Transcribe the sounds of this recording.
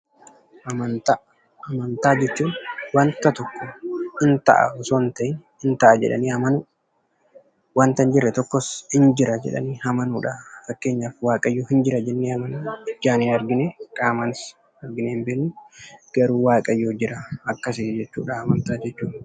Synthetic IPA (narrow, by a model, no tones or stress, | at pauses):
ʔɐmɐt̪ | ɐmɐnt̪aːd͡ʒɛt͡ʃːuːnwɐnt̪ɐt̪ɔkːɔhɪnt̪ɐ̰ʔɐ̰ɔsoːnt̪ɐʔɪnhɪnt̪ɐʔɐd͡ʒɛ̰ᶑɐ̰niːɐmɐnʊ | wɐnt̪ɐnd͡ʒɪrːɛt̪ɔkːɔshɪnd͡ʒɪɾɐd͡ʒɛ̰ᶑɐ̰niːhɐmɐnuːᶑafɐkːe̞ːɲːaːfwaːkʼɐjːoːhɪnd͡ʒɪɾɐd͡ʒɛnːeːɐmɐnuːɪd͡ʒːaːneːɐɾɡɪneːkʼaːmɐnɪs | ɐɾɡɪneːmbeːnːʊɡ̥ɐɾuːwaːkʼɐjːoːd͡ʒɪɾɐɐkːɐsɪd͡ʒɛt͡ʃːṵːᶑaːɐmɐnt̪aːd͡ʒɛt͡ʃːuːᶑɐ̥